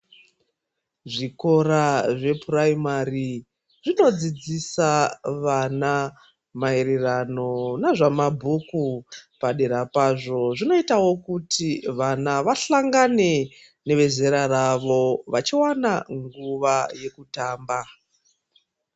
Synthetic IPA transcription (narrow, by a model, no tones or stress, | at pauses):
ʐiko̞ɾaʐe̞puraimari | ʐino̞d͡zid͡zisaʋana | maeɾerano̞naʐamabʱukupaɗeɾapaʐo̞ʐino̞itawo̞kutiʋanaʋaɬaŋɡane̞ | ne̞ʋe̞ze̞ɾaraʋo̞ʋat͡ʃiwanaŋɡuʋaje̞kutaːmba